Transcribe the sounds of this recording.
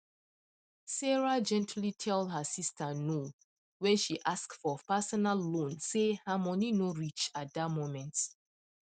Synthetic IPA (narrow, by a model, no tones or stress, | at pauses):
sɛɹad͡ʒɛ̃ntʰlitʰɛldɦəsistano | wɛ̃ʃiʔasksfɔpasɔnalːõnsehamɔninoɹit͡ʃat̚damomɛ̃nt